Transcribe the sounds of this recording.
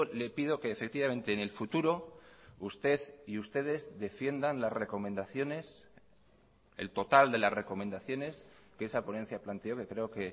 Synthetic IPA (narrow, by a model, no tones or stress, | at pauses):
ole̞pið̞o̞keːfek̚t̪iβamẽ̞nt̪e̞ːne̞lfut̪uɾo̞ust̪e̞ðiust̪e̞ð̞e̞zðe̞fje̞nd̪anlazre̞ko̞mẽ̞nd̪aθjo̞ne̞s | ḛlt̪o̞t̪ald̪e̞lasre̞ko̞mẽ̞nd̪aθjo̞ne̞skeesapo̞ne̞n̟θjaplant̪e̞o̞ke̞kɾe̞o̞ke̞